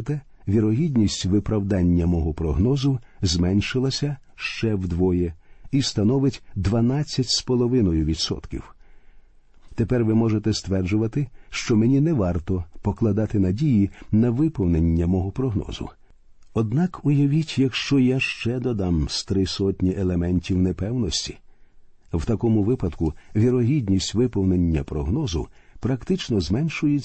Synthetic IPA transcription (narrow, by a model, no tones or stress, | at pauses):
t̪ɛ | ʋʲiɾɔɦʲidʲnʲisʲtʲʋɪpɾɐwd̪ɑnʲːɐmɔɦɔpɾɔɦnɔzʊ | zmɛnʲʃɪlˠɐsʲɐ | ʃt͡ʃɛwd̪ʋɔjɛist̪ɐnɔʋɪtʲd̪ʋɐnat͡sʲːɐtʲspɔlˠɔʋɪnɔjʊʋʲid̪sɔ̰t̪kʲḭw | t̪epɛrʋɪmɔʒet̪ɛst̪ʋɛrd͡ʒʊʋɐt̪ɪʃt͡ʃɔmenʲinɛʋɑrt̪ɔpɔklˠɐd̪ɑt̪ɪnɐdʲijinɐʋɪpɔwnenʲːɐmɔɦɔpɾɔɦnɔ̰zʊ̰ | ɔd̪nɑkʊjɐʋʲitʲjɐkʃt͡ʃɔjaʃt͡ʃɛd̪ɔd̪ɑmst̪ɾɪsɔtʲnʲiʔelˠemɛnʲtʲiwnɛpɛwnɔsʲtʲi̥ | wt̪ɐkɔmʊʋɪpɐd̪kʊʋʲiɾɔɦʲidʲnʲisʲtʲʋɪpɔwnenʲːɐpɾɔɦnɔzʊ̰ | pɾɐkt̪ɪt͡ʃnɔzmɛnʃʊjɛt͡sʲ